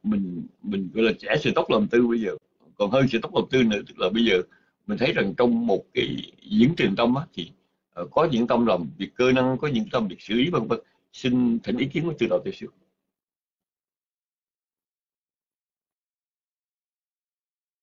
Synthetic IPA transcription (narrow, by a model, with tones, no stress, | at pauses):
mï˨˩ŋ̟mï˨˩ŋ̟ɣɔ̰˧˨jlaː˨˩t͡ɕɛ˧˥sɨ̰˧˥t̪o˦˥k͡p̚lə˨˩mt̪ɨ˧ɓə˧jzəː˨˩ | kɔ˨˩nhəː˧nsɛ̰˧˥t̪o˦˥k͡p̚lə˨˩mt̪ɨ˧nɨ̰˧˥t̪ɨ˦˥k̚laː˨˩ɓə˧jzəː˨˩ | mi˨˩ŋ̟t̪ʰə˨˦jza˨˩ŋt͡ɕɔ˧wŋ͡mmo˨˩t̚kaː˨˦jzɨ̰˧˥əŋt͡ɕï˨˩ŋ̟t̪ə˧wmʔaː˨˦t̪ʰi˨˩ | ʔːkɔ˨˦ɲɨ̰˧˥ŋt̪ə˧mlaː˨˩mvi˨˩əkːəː˧na˧nkɔ˨˦ɲɨ̰˧˥ŋkaː˨˦t̪ə˧˩mvi˨˩ək̚sɨ̰˧˩ʔi˨˦va˧ŋvə˧˩t̚ | si˧nt̪ʰə˨˩n̟ḭ˨˦k̬i˨˦ənku˧˦t̪ɨ˧˩ɗɔ̰˧˨˩t̪i˧˩sɨ˦˥ək̚